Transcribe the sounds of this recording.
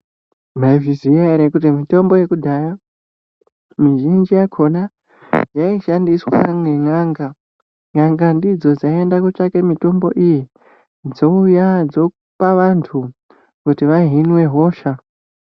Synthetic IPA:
maiviziaɾekut̬imito̞mbo̞je̞kudʱaːja | miʒind͡ʒijakʰo̞na | jaiʃandiswa̰meŋaŋɡa | ŋaŋɡandid͡zo̞d͡zaendakut͡ʂakemito̞mbo̞̰ʔiji | d͡zo̞ujad͡zo̞ | paʋantʰu | kutiʋaɦinwe̞ɦo̞ːʃa

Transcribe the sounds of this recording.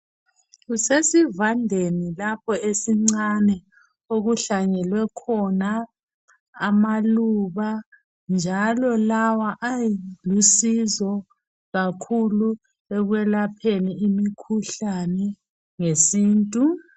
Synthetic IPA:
ɣusesivandʱenilapʰɔesiŋ͡ǀanɛ | oɣuɬaɲɛlwɛkʰɔnaː | maluβa | nd͡ʒʱalɔlawaʔajlusizɔ | ɣakʰulu | ɛɣwɛlapʰeniimikʰuɬanɛ | ŋesiːntʼu

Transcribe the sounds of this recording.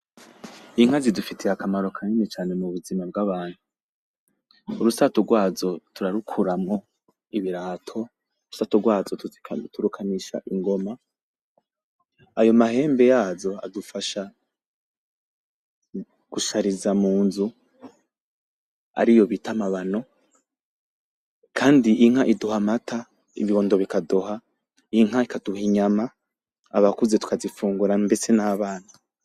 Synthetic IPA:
iŋ̥hazidufitʰeakamaɾo̞kʰaɲinet͡ʃaːne̞muβuzimab̚ɡaβaːn̥hu | uɾusatoɡwaːzo̞tʰuɾaɾukʰuɾamŋo̞ | iβiɾaːtʰo̞ | uɾusatoɡwaːzottʰuɾukʰaniʃa̰ʔiŋɡo̞ma | ajo̞mahe̞ːmbe̞jaːzo̞a̰dufaʃa | ɡ̥uʃaɾizamuːnzu | a̰ɾijo̞βitamaβano̞ | kʰaːndiʔiŋ̥haʔiduhamatʰa | ḭβio̞ːndoβikadoha | iŋ̥haikad̥uhiɲama | a̰βakuzetu̥kazifuːŋɡuɾambe̞se̞naβaːn̥a

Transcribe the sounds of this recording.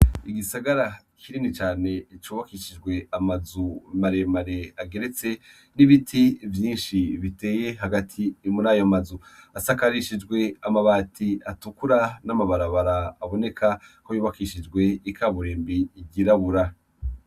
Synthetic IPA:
iɡisaɡaɾa | kʰiɾinit͡ʃaːne̞it͡ʃuβakiʃid͡ʒɡwe̞amazumaɾe̞maɾe̞aɡe̞ɾe̞t͡se̞ | niβitʰivjiːnʃiβite̞ːje̞ɦaɡatʰimunajomazuasakaɾiʃid͡ʒɡwe̞amaβaːtʰiatukuɾanamaβaɾaβaɾaːβo̞ne̞kʰakojuːβakiʃid͡ʒɡwe̞ikʰaβuɾe̞ːmbiːɟiɾaβuɾa

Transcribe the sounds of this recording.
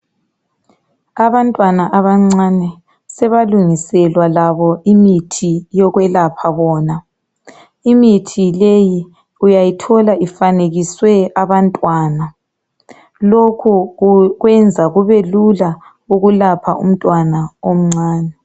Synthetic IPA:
aβantʼwanaʔaβaŋ͡ǀanɛ | sɛβaluŋisɛlwalaβɔimitʰijɔɣwɛlapʰaβɔːna | imitʰileji | ujajitʰɔlaʔifaneɣiswɛaβantʼwaːna | lokʰuɣwɛnd͡zʱaɣuβelula | uɣulapʰa̰ʔṵm̩tʼwanaom̩ŋ͡ǀaːnɛ

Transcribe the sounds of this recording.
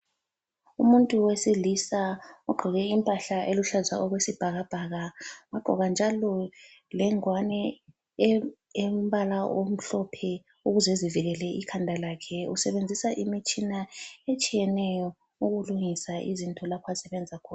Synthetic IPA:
umuntʼuwesilisauɡ͡ǃʱiɣɛimpʼaɬaʔeluɬaza̰ʔɔɣwesib̥ʱaɣab̥ʱaɣawaɡ͡ǃʱɔɣand͡ʒʱalɔ | lɛŋwanɛ | emβalaʔom̩ɬɔpʰɛ | uɣuzɛziviɣɛlɛʔikʰandʱalakʰɛusɛβend͡zʱisaʔimit͡ʃʼinaet͡ʃʼijɛnɛjɔ | uɣuluŋisaʔizintʼɔlapʰasɛβɛnd͡zʱakʰɔː

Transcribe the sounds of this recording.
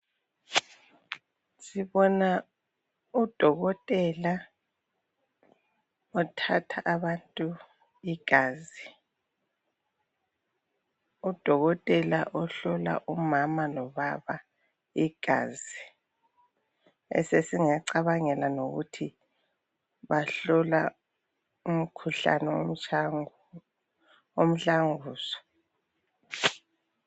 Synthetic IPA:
siβɔna | ud̥ʱɔɣɔtʼɛla | ɔtʰatʰaʔːβantʼu | iɡ̥ʱaːzi | ud̥ʱɔɣɔtʼɛla̰ʔɔɬɔla̰ʔumamalɔβaβa | iɡ̥ʱaːzi | ɛ̰sesiŋaǀaβaŋɛlanoɣutʰi | βaɬɔla | um̩kʰuɬa̰nɛ | om̩ɬaŋuːsɔ̥

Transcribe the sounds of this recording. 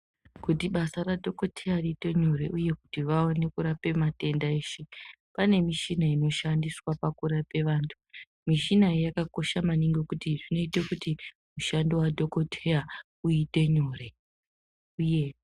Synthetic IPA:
kutiɓasaradʱoko̞tʰejariːte̞ɲoɾe̞ʔuje̞ku̥tiʋaone̞kuɾape̞mate̞ndaeːʃe | pane̞miʃinaino̞ʃandiswapakuɾape̞ʋaːntʰu̥ | miʃinajakako̞ʃamaniŋɡe̞kutiʐino̞itekuti | muʃandowadʱo̞ko̞tʰeja | uite̞ɲoɾe̞ | uje̞

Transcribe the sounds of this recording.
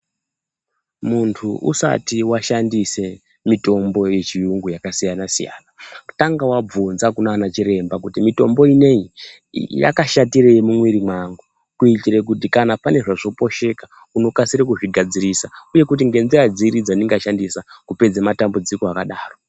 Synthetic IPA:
muntʰuʔṵsa̰tiwaʃandise̞ | mito̞mbo̞je̞t͡ʃijuŋɡujakasijanasija̰ːnau̥taŋɡawab͡vunzakunaːnat͡ʃiɾe̞mbak̬utimito̞mbo̞ine̞i | ja̰kaʃatiɾejemumwiɾimwaŋɡu | kuitiɾek̬ut̬ikanapane̞ʐaʐo̞po̞ʃe̞ka | uno̞kasiɾekuʐiɡʱad͡zirisauje̞kut̬iŋɡe̞nd͡zirad͡ziɾid͡zaniŋɡaʃandisakupe̞d͡zamatambud͡zikoakaɗaːro̞

